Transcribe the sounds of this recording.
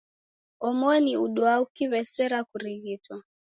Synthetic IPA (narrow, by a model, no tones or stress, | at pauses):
ɔmɔniuɗwaukiβɛsɛɾakuɾiɣitwa